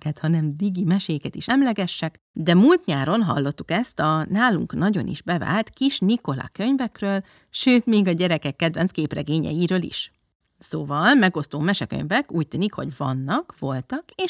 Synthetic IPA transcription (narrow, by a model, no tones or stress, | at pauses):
kɛt̪hɒnɛmd̪iɡimɛʃeːkɛt̪iʃɛmlɛɡɛʃːɛk | d̪ɛmult̪ɲaːɾo̞nɦɒ̰lːo̞t̪ːu̥kɛst̪ɒnaːlṵŋknɒɟo̞̰nʔḭʒbɛva̰ːlt̪kiʃniko̞lɒ̰kø̞ɲvɛkrøːl | ʃøːt̪meːɡɒɟɛɾɛkɛkːɛd̪vɛnskeːprɛɡeːɲɛ̰jiɾøːlḭʃ | soːvɒlmɛɡo̞st̪oːmɛʃɛkø̰ɲvɛkuːc̚t̪yːnikho̞̰ɟvɒ̰nːɒkvo̞lt̪ɒkeːʃ